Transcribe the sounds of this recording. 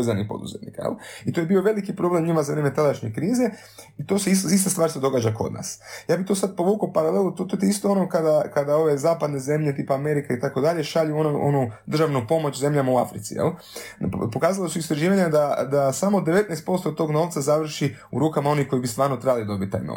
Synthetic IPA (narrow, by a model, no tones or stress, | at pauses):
ezanixpo̰d̪ṵzet̪nḭkajḛlit̪oje̞bio̞ʋe̞likipɾo̞blemɲimazaʋɾeːmet̪ad̪aʃɲe̞kɾiːze̞ | it̪oseisist̪ast̪ʋaːɾsed̪o̞ɡaːd͡ʒako̞̰d̪na̰ːsjaːbit̪o̞sad̪̚po̞ʋuːkopaɾalelnot̪ot̪ot̪ist̪oonokad̪akad̪ao̞ʋe̞zaːpad̪ne̞ze̞mʎe̞t̪iːpaːme̞ɾikait̪ako̞d̪aʎeʃaʎuonoʔo̰nud̪r̩ʒaʋnupo̞mo̞t͡ɕze̞mʎamauafɾit̪sḭjḛl | po̞kaːzalosuist̪ɾaʒiːʋaɲad̪ad̪asamo̞d̪e̞ʋe̞t̪nɛjst̪po̞st̪ot̪o̞ːɡno̞ʋt̪sazaʋr̩ʃi | ṵɾuːkamao̞nixko̞ibist̪ʋaːɾno̞t̪ɾebalid̪obit̪̚ʲt̪ːa̰jno̰